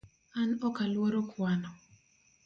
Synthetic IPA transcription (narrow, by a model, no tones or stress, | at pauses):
anɔkalwɔɾokwanɔ